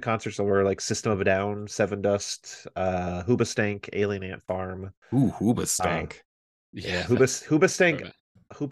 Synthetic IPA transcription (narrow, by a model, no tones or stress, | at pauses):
kʰɑ̃nsə˞tsət̚wə˞laɪksɪstə̃mʌvdãʊ̃nsɛvɨ̃ndʌstʌɦubɨstæ̃ŋkʰḛɪlˠiɨ̃næ̃ntfɑɹm | huhubɨstæ̰̃ŋk | jæɦubɨshubɨstæ̃ŋk | hub